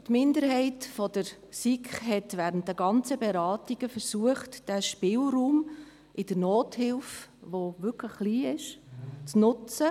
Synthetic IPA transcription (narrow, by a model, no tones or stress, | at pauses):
tmɪndəɾɦɛɪtfɔdəɾ | sikχɦɛtʋæːɾənt̚dəɡɑnt͡səbɛɾɑːtiɡ̥əfəɾsuəχtd̥æʃpɪlruːm | ʔɪd̥əɾnoːthɪlfʋoʋʏɾkləχːliːɪʃt͡snʊt͡sə